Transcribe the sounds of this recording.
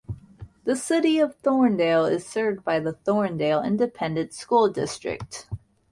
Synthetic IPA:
ðɨsɪɾiʌv̥θɔɹndeɪlˠɪ̰z̥sɜ˞vd̚baɪðəθɔɹndeɪlˠɪ̰̃ndɨpʰɛ̃ndɨ̃ntskulˠdɪstɹ̥ɨ̰k̚t

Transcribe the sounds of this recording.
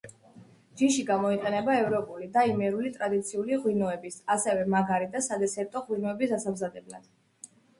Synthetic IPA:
d͡ʒiʃiɡamɔiqʼɛnɛbaɛvɾɔpʼulid̪aimɛɾulit̪ʼɾad̪it̪sʰiuliʁwinɔɛbisasɛvɛmaɡaɾid̪asad̪ɛsɛɾt̪ʼɔʁwinɔɛbisasamzad̪ɛbla̰d̪̥

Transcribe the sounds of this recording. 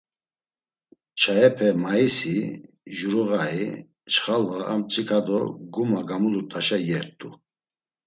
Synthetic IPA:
t͡ʃʰaɛpʰɛmaisi | ʒuɾuɣai | t͡ʃχalvaa̰mt͡ʃʼikʰad̪ɔɡumaɡamuluɾt̪ʼaʃajɛɾt̪ʼu

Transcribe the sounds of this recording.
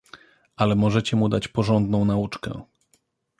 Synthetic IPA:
ʔalɛmɔʐɛt͡ɕɛmud̪at͡ɕpɔʐɔnd̪nɔ̃w̃naut͡ʂkɛ̰

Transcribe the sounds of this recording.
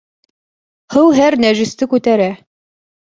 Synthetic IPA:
hɤwɦæɾnæʒĭst̪ɘkʉt̪æɾæ

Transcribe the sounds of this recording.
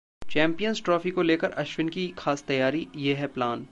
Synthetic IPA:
t͡ʃɛ̃ːmpijənzʈɾɔːfikoleːkəɾɐʃwɪnkixaːst̪ɐjaːɾijeɦɛplaːn

